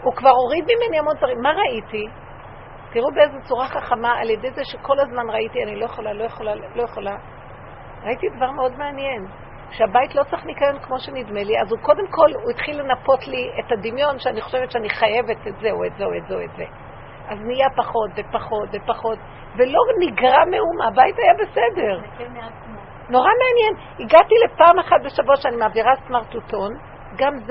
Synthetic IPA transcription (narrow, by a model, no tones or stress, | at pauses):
ukvaʁo̞ʁid̪mime̞niamonzaʁimːaʁaiti | tiʁubeezet͡suʁaχaχamaalje̞de̞jzeʃeko̞lazmanʁaitianilo̞jeχolalojeχolalo̞jeχo̞la | ʁaitidavaʁmeo̞dmeanje̞n | ʃeabaitlo̞t͡saχnikajonkmo̞ʃe̞nidme̞liazuko̞de̞mko̞luit̪χilːe̞napo̞tlietadimjo̞nʃeaniχo̞̥ʃevetʃeaniχaje̞vetetzeoetzeoetzeoetze | ʔaznijapaχo̞tvepaχo̞tvepaχo̞t | ve̞lo̞niɡʁamehumaabaitajabe̞sede̞ʁ | meat͡smo | no̞ʁameanjen | iɡatile̞paːmaχat̚be̞ʃabotʃeanimaːviʁasmaʁtuto̞n | ɡamz